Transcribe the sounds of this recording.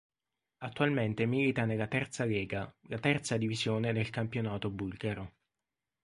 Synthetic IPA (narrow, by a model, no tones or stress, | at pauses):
at̪ːualment̪emiːlit̪anelːat̪ɛrt̪salɛːɡalat̪ɛrt̪sad̪ivizjoːned̪elkampjonaːt̪obulɡaɾo